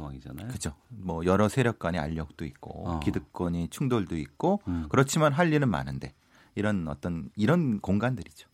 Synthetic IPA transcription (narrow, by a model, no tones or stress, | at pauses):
aŋid͡ʑanakɯt͡ɕʰomʌjʌɾʌsʰe̞ɾjʌk̚k͈waɲea̰ʎːʌk̚t͈oik̚k͈o̰kidɯk̚k͈ʌɲit͡ɕʰuŋdoɭdoik̚k͈okɯɾʌt͡ɕʰimanɦaʎːinɯnma̰nɯnde̞̰ | iɾʌnʌ̰t͈ʌniɾʌnkoŋɡandɯɾid͡ʑo̥